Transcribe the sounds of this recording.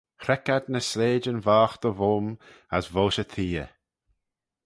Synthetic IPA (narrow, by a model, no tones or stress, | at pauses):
xɾɛkad̪nəsleːd͡ʒənvaːxd̪̥əvom | asvoːʃət̪ʰiːə̰